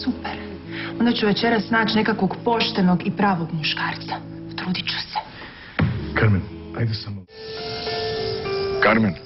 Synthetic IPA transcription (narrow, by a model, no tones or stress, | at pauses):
supeɾ | o̞nd̪at͡ɕuʋe̞t͡ɕe̞ɾasːnaːt͡ɕne̞kakʋoɡpo̞ʃt̪e̞noɡipɾaːʋoɡmuʃkaːɾt̪sḁt̪ɾuːd̪it͡ɕu̥se̥ | kaɾmenajd̪asam | kaɾmen